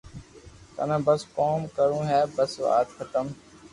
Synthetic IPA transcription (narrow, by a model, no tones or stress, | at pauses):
t̪ə̰nãːbəskoːmkəɾũːɦɛːbəsʋa̰ːt̪xʰət̪əm